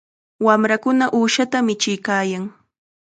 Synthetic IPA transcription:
wamɾakʊnaʔuːʃat̪amɪt͡ʃɪjkaːjaŋ

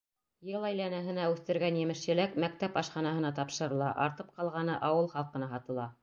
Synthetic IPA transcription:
jɤlˠæjlænæɦɘ̆næʉθt̪ɘ̆ɾɡænjɘ̆mɘ̆ʃjɘ̆lækmæk̚t̪æpɑʃχɑnɑɦɤ̆nɑt̪ɑpʃɤ̆ɾɤ̆lˠɑʔɑ̰ɾt̪ɤp̚qɑlˠʁɑnɤʔɑwɤlˠχɑlˠqɤ̆nɑɦɑt̪ɤ̆lˠɑ

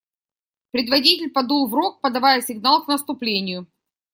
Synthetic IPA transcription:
pɾʲɪd̪vɐdʲitʲɪlʲpɐd̪ulˠvɾok̚pɐd̪ɐvajəsʲɪɡnalˠknəst̪ʊplʲenʲɪjʊ

